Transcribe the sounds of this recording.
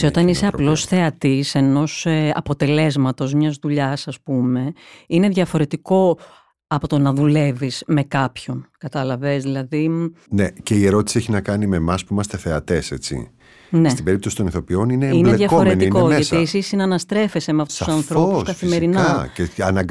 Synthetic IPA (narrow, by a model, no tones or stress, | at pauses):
sio̞t̪ɐnise̞ɐplo̞sθe̞ɐt̪iseno̞sɐpo̞t̪e̞le̞zmɐt̪o̞zmɲɐzðuʎɐsɐspume̞ine̞ðʝɐfo̞ɾe̞t̪iko̞ | ɐpo̞t̪o̞nɐðule̞visme̞kɐpço̞nkɐt̪ɐlɐve̞zðilɐðinece̞ie̞ɾo̞t̪i̥sieçinɐkɐnime̞mɐspuimɐst̪e̞θe̞ɐt̪e̞se̞t͡sḭ | nest̪ibe̞ɾip̚t̪o̞sit̪oniθo̞pio̞nineinleðʝɐo̞ɾenikoʝɐsiesisinɐnɐst̪ɾe̞fe̞semeɐft̪o̥su̥sɐnθɾo̞pusskɐθimeɾinɐceɐnɐɡ